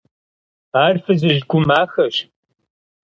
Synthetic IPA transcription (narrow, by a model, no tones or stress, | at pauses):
aːrfɨzɨʑɡʷʊmaːxɐɕ